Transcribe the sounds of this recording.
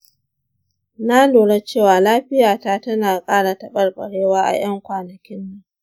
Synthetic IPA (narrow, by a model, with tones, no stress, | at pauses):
na˦loː˨ɽe˦t͡ʃeː˦˨waː˨laː˦ɸɪ˦jaː˨taː˦tɐ˦naː˨kʼaː˦ɽa˨tɐ˨ɓɐ˦rɓɐ̰˨ɽeː˦waː˦ʔa̰˨j̰ɐ˦ŋkʷaː˨nɐ˨kʲɪ˦nːu˦